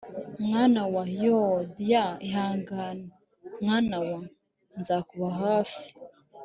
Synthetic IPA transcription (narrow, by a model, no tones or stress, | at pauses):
mŋaːnawajodjaiɦaːŋɡaːna | mŋaːnawa | nzaːkuβaɦaːfi̥